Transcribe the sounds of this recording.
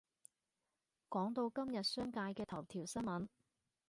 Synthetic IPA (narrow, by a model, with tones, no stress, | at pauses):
kɔː˨˥ŋt̪o˧wkɐ˥mjɐ˨t̚sœː˥ŋkaː˧jkɛː˧t̪ʰɐ˨˩wt̪ʰiː˨˩wsɐ˥nmɐ˨˥n